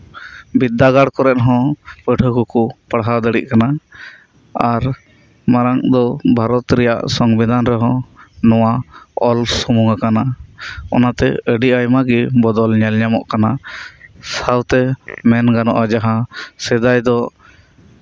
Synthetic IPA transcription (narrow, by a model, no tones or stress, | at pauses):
bid̪ːaɡaɽkɔɾɛt̪̚ɦɔ̃pəʈʰəkukupaɽɦad̪əɽiʔkana | aɾ | maɾaŋd̪ɔbʱaɾɔt̪ɾɛja̰ʔsɔŋbid̪ʱanɾɛɦɔ̃nɔwaɔlsɔmuŋɡakanaɔ̰nat̪ɛ̰əɖiʔajmaɡɛbɔd̪ɔlɲɛlɲamɔ̰ʔkana | sawt̪ɛmɛnɡanɔ̰ʔad͡ʒaɦasɛd̪ajd̪ɔ